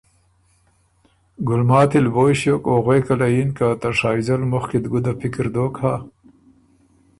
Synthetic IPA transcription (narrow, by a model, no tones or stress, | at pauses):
ɡʊlmaːt̪ilboːjɕjokoːɣweːkalainkat̪aʂaːzɐlmʊxkid̪ɡud̪apikɾd̪oːkhaː